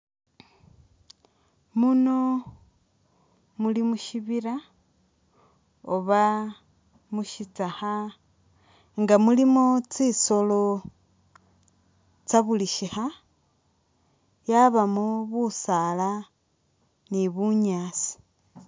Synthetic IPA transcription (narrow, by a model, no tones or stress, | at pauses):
muno | mulimuʃiβiɾa | oβa | muʃit͡saxa | ŋɡamulimot͡sisolo | t͡saβuliʃixa | jaβamoβusala | niβuɲaːt͡si̥